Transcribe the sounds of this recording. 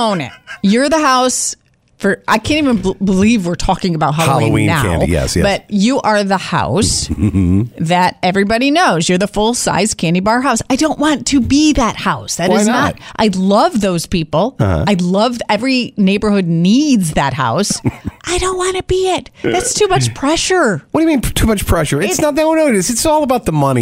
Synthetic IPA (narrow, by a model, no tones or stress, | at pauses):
õʊ̃nɨ̰jə˞ðɨɦaʊs | fə˞ʔaɪkʰæ̃ntivɨ̃nbəlivwɪɹtʰɔkɪ̃ŋɨbaʊt̚ɦɑloɑ̃iñnːaæʊ̰̃jɛ̰sbʌt͡ʃɨʔə˞ðəha̰ʊs | ðɨɾɛvɹibɑɾinoʊzjə˞ðəfʊlˠsa̰ɪz̥kʰæ̃ndibɑɹɦaʊsaɪdõʊ̃nʔwɑ̃ntʰɨbiðɨt̚haʊsðɨɾɨznəɾʔaɪlʌvðoʊz̥pipl̩ˠhʌ̰aɪlʌvɛvɹineɪbə˞hʊdⁿnidzðɨt̚ha̰ʊsʔaɪɾõʊ̃nʔ̚wɑ̃nɨbiɪt̪̚ðætstʰʉmʌt͡ʃpʰɹ̥ɛʃə˞wʌdɨɨmĩntʰumʌt͡ʃpʰɹ̥ɛʃə˞ɪɪsnət̪̚ðõnoʊɾɨsɨtsɔlˠəbaʊt̪̚ðəmʌnḭ